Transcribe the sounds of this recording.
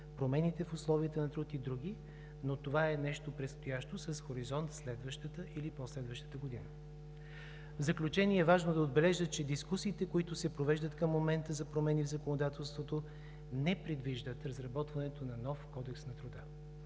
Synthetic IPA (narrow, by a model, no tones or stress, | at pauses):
pɾomɛnit̪ɛfʊslˠɔviət̪ənɐt̪ɾut̪id̪ɾuɡʲi | not̪ovaɛnɛʃt̪opɾɛt̪st̪ojaʃt̪osɐsxoɾizɔnt̪slɛd̪vəʃt̪ət̪əʔiliposlɛd̪vəʃt̪ə̥t̪əɡod̪inə | vzɐklʲut͡ʃɛniɛːvaʒnod̪ɐod̪bɛlɛʒət͡ʃɛd̪iskusiːt̪ɛkoit̪ʊsɛpɾovɛʒd̪ət̪kəmːomɛnt̪əzɐpɾomɛnivzɐkonod̪at̪ɛlˠst̪vot̪o | nɛpɾɛd̪viʒd̪ət̪ɾɐzɾɐbɔt̪vɐnɛt̪onɐnɔfkɔd̪ɛksnɐt̪ɾʊd̪ə